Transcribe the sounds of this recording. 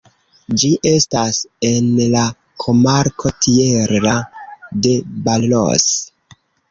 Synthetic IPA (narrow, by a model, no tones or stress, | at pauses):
d͡ʒiʔe̞stase̞nla | kʰo̞maɾkʰotʰieɾade̞ballo̰s